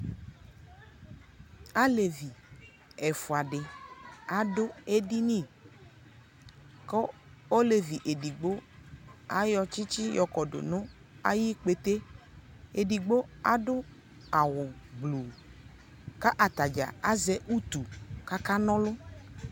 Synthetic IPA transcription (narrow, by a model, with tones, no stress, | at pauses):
a˦le˨vi˨ | ɛ˨fʊ˨a˨ɖɪ˨a˨dʊ˦e˦di˦nĩ˦˨ | kɔ˦o˦le˨vi˨ʔe˨di˨ɡ͡bo˦ | a˦jɔ˦t͡ʃi˦t͡ʃi˦jɔ˨kɔ˨ɖʊ̰˨nʊ̃˦ | a˦ji˦k͡pe˦t̪e˦ | e˨ɖi˨ɡ͡bo˦a˦dʊ˦ | a˨wʊ˨ɡ͡blu˨ | ka˦ʔa˨t̪a˨d͡ʒa̰˨a˦zɛ˦ʔu˦t̪u˨ka˦ka˦nɔ̃˦lʊ˦